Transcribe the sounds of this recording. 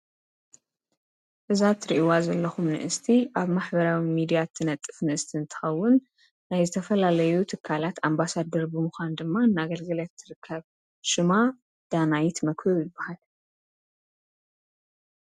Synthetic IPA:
ʔɨzat̪ɾiʔwazɐlːɐxumnɨ̰ʔɨst̪ʰiʔaβmaħbɐɾawimid̪ijat̪ʰɨnɐt̪ʼːɨ̥fnɨʔɨst̪ʰiɨnt̪ʰɨ̥xɐwːʊnː | ajzɨt̪ʰɐfɐlalɐjut̪ʰɨkʰːalat̪ambasad̪ɐɾbɨmuxʷand̪ɨmːanːaɡɐlɡɐlat̪ʰːɨɾɨkʰːɐβ | ʃɨma | d̪̥anajt̪mɐkɨjɪbːahal

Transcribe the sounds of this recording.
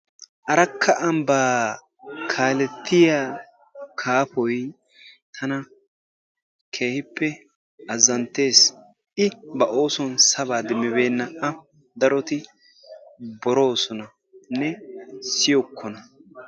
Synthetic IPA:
ʔɐɾɐkʰːɐʔɐmbaː | kʰaːlɛt̪ʰːɪja | kʰaːpɔj | t̪ʰɐnɐ | kʰe̞ːhɪpːɛ | ɐzːɐnt̪e̞ːs | ɪbɐʔo̞ːsɔnsɐβaːd̪ɪmːɪbe̞ːnːɐɐ | d̪ɐɾɔt̪ɪ | bɔɾo̞ːsɔnɐ | nːɛsɪjɔkːɔnɐ

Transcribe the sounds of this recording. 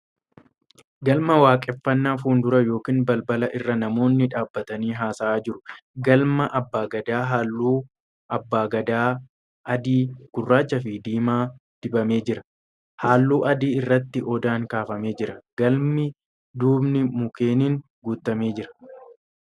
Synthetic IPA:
ɡɐlmɐwaːkʼɛfːɐnːaːfuːnd̪ʊɾɐjo̞ːkiːnbɐlbɐlɐʔɪrːɐnɐmo̞ːnːɪᶑaːbːɐt̪ɐniːɦaːsɐaːd͡ʒɪɾʊ̥ɡɐlmɐʔɐbːaːɡɐd̪aːɦaːlːuː | ʔɐbːaːɡɐd̪aː | ʔɐd̪iːɡ̥ʊrːaːt͡ʃːɐf̬ɪd̪iːmaːd̪̥ɪbɐmeːd͡ʒɪɾɐ | haːlːuːʔɐd̪iːɪrːɐt̪ːɪʔɔd̪aːŋkaːfɐme̞ːd͡ʒɪɾɐɡɐlmɪ | d̪uːbnɪmʊke̞ːniːŋ | ɡuːt̪ːɐme̞ːd͡ʒɪɾɐ̥

